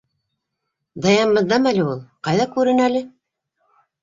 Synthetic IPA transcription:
d̪ɑjɑmbɤ̆ðːɑmælɘulˠqɑjðɑkʉɾɘnælɘ

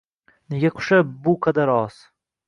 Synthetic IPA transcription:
ne̞ɡʲaqʰʊ̥ʃabʊqʰɑd̪aɾɒz̥

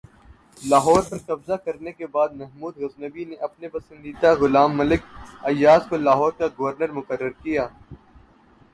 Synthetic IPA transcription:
laːɦɔːɾpɐɾkɐbzakɐɾnekebaːd̪mɐɦmuːd̪ɣɐznəbineʔɐpnepɐsə̃nd̪iːd̪aɣʊlaːmːɐlɪkɐjːaːzkolaːɦɔːɾkaɡɐʋəɾnəɾmʊkərːəɾkijaː

